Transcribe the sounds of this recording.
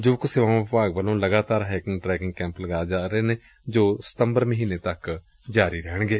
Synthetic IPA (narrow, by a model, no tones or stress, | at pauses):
d͡ʒoːkʊseʋãːpaːɡʋəlõːləɡaːt̪aːɾɦɛːkɪ̃ŋɡʈɾɛːkɪ̃ŋɡkɛ̃ːmpləɡaːed͡ʒaːɾeːneː | d͡ʒoːsə̥t̪əmbəɾməɦiːneːt̪ək | d͡ʒaːɾiːɾɛɦəɳɡeː